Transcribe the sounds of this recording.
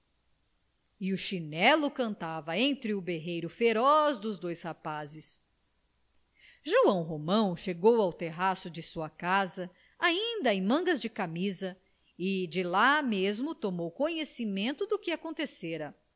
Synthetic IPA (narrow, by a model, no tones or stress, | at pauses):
iuʃinɛlʊkɐ̃nt̪avɐẽnt̪ɾɪubeɦejɾʊfeɾɔzd̪ʊzd̪ojshapazɪs | ʒuɐ̃w̃ɦomɐ̃w̃ʃeɡowawt̪eɦasʊd͡ʒɪsuɐkazɐ | aĩnd̪ɐẽj̃mɐ̃ŋɡɐzd͡ʒɪkamizɐ | ɪd͡ʒɪlamezmʊt̪omowkõɲesimẽnt̪ʊd̪ʊkɪakõnt̪eseɾɐ